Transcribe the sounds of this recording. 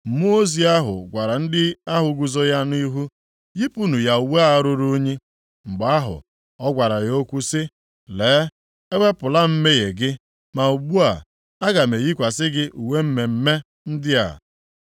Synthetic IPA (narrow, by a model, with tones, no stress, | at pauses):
m̩˨mu˦o˦zi˨a˦ɦʊ̰˨ɡʷa˨ɾa˨n̩˦dɪ˦a˦ɦʊ˨ɡu˨zo˦ja˦n˦i˦ɦu˦ | ji˦pu˦nu˨ja˨u˨we˦a˦ɾʊ˦ɾu˦ɲi˦ | ŋ͡m̩˨ɡ͡ba˦ɦʊ̰˨ | ɔ˦ɡʷa˨ɾa˨jo˦kʷu˦sɪ˦ | leː˨˦ | e˦we˦pʊ˨la˦m̩˦me˦je˨ɡɪ˦ | ma˨u˨ɡ͡bu˦a̰˨ | a˦ɡa˨me˨ji˦kʷa˨sɪ˦ɡɪ˦ʔu˨we˦m̩˦me˨m̩˦me˦ | n̩˦dɪ˦a̰˨